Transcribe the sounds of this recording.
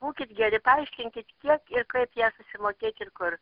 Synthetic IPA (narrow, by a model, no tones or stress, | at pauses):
buːkʲɪt̪ɡʲɛɾʲɪpɐɪʃʲkʲɪŋʲkʲɪt̪kʲiɛkɪrkɐɪpjæːsʊsʲɪmoːkʲeːt̪ʲɪrkʊr